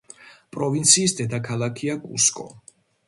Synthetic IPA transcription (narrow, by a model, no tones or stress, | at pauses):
pʼɾɔvint̪sʰiːsd̪ɛd̪akʰalˠakʰiakʼṵskʼɔ̰